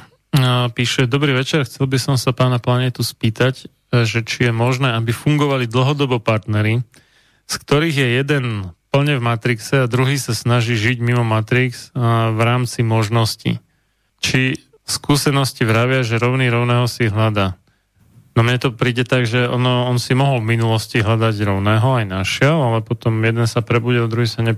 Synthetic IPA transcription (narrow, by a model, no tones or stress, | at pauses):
piːʃɛd̪ɔbɾiːʋɛt͡ʃɛɾxt͡sɛlbisɔmsapaːnaplaɲɛt̪uspiːt̪ac | ʒɛt͡ʃijɛmɔʒnɛːabifuŋɡɔʋalid̪l̩ɦɔd̪ɔbɔpaɾt̪nɛɾi | skt̪ɔɾiːɣjɛjɛd̪ɛnpl̩ɲɛvmat̪ɾiksɛad̪ɾuɦiːsasnaʒiːʒiɟmimɔmat̪ɾiksvɾaːmt͡simɔʒnɔscḭ | t͡ʃi | skuːsɛnɔsciʋɾaʋɪaʒɛɾɔʊniːɾɔʊnɛːɦɔsiɦʎad̪aː | nɔmɲɛt̪ɔpɾiːɟɛt̪aɡʒɛɔ̰nɔɔnsimɔɦɔlvminulɔsciɦʎad̪aɟɾɔʊnɛːɦɔajnaʃɛɛlalɛpɔt̪ɔmjɛd̪ɛnsapɾɛbuɟild̪ɾuɦiːsaɲɛ